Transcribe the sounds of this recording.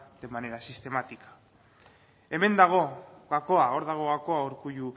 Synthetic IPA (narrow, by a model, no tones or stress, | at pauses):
d̪embane̞ɾasist̪e̞mat̪ikḁ | e̞me̞nd̪aɣ̞o̞ɣako̞ao̞ɾðaɣ̞o̞ɣako̞auɾkuju